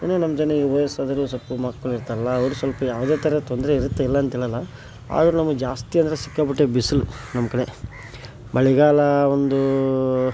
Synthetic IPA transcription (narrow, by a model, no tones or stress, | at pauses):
eːnuːnɐmɐd͡ʒɐnːeʋoːjɐsad̪ɐɾusɐpumaːkːɐɭiɾt̪aːɾɐlːɐːʋɐɾusʋɐlpɐjaːʋd̪e̞ːt̪ʰɐɾet̪ond̪ɾeiɾut̪ːeilːɐːnt̪iːɭɐlːɐ | a̰ːd̪ɐɾunɐmːɐd͡ʒaːst̪ijɐnd̪ɐɾesi̥kːaːbiʈːebisilunɐmːɐkɐɽe | bɐɭiɡaːlɐond̪u